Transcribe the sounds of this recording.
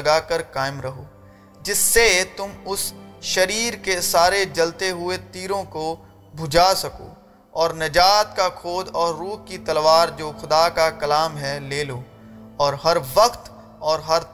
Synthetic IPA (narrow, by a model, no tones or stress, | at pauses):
ɐɡaːkɐɾkaːɪmɾɐɦoː | d͡ʒɪsːet̪ʊmʊsʃɐɾiːɾkesaːɾed͡ʒɐlt̪eɦʊet̪iːɾõko | bʱʊd͡ʒasɐko̰ː | ɔːɾnɐd͡ʒaːt̪kakʰoːd̪ɔːɾːuːɦkit̪ɐlʋaːɾd͡ʒoːxʊd̪akakɐlaːmɦɛleːloː | ɔːɾɦɐɾʋɐqt̪ | ɔːɾɦɐɾ